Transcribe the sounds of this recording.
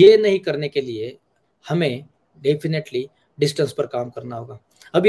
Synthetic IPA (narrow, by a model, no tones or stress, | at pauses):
jenɐɦĩkɐɾnekelie | hɐmẽ | ɖeːpʰɪneʈli | ɖɪsʈə̃nspɐɾkaːmkɐɾnaɦoːɡaː | ɐb